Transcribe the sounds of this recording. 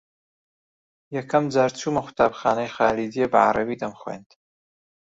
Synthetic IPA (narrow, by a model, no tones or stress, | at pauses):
jɐkʰɐmd͡zaːɾt͡sʰumɐxʷu̥t̪ʰaːbxaːnɐjxaːlid̪ijebɐ̰ʕa̰ɾˤɐbid̪ɐmxwḛnd̪̥